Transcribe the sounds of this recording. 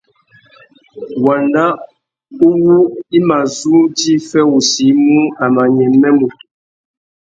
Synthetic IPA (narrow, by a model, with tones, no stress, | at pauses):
wa˨nda˦ | u˦wu˦i˦ma˨zu˦di˦fɛ˦wu˨si˨˦mu˦a˨ma˨ɲɛ˨mɛ˦mu˨